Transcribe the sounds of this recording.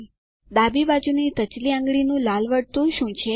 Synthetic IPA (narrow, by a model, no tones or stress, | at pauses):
d̪abibad͡ʒunit̪ət͡ʃliãŋɡɭinũlalʋəɽt̪ũʃũt͡ʃʰe